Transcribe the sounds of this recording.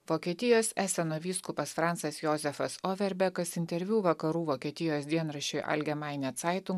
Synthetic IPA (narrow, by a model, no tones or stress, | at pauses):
ʋoːkʲiɛt̪ʲɪjoːsʲæːsʲɛnoːʋʲiːskʊpɐsfɾɑˑnt̪sɐsjoːzʲɛfɐsoːʋʲɛɾʲbʲɛkɐsɪnʲt̪ʲɛɾʲʋʲuːʋɐkɐɾuːʋoːkʲiɛt̪ʲɪjoːsd̪ʲiɛnɾɐʃʲʊjʔɐ̰lʲɡʲɛmɑˑɪnʲɛt̪sɑɪt̪ʊŋ